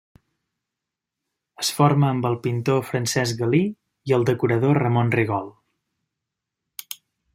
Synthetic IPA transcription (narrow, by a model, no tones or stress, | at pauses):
əsfoɾməːmbəlˠpint̪ofɾənsɛzɡəli | iəlˠd̪əkuɾəðorəmonriɣ̞ɔlˠ